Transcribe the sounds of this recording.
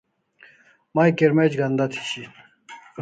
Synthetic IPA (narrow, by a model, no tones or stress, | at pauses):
majkeɾmed͡ʑɡɐnd̪at̪ʰi̥t͡ɕʰi